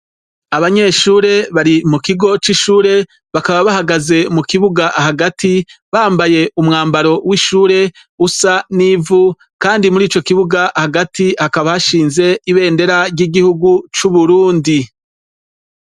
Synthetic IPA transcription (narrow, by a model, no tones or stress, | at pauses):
aβaɲe̞ʃuːɾe̞βaɾimukiɡo̞t͡ʃiʃuːɾe̞ | βakaβaβahaɡaze̞mukiβuɡaʔahaɡatiβaːmbaje̞ʔumŋaːmbaɾo̞wiʃuːɾe̞ | usaniːvu | kaːndimuɾiːt͡ʃokiβuɡaʔhaɡatihakaβahaʃiːnze̞iβe̞ːnde̞ɾaɾɟiɡihuɡut͡ʃuβuɾuːndi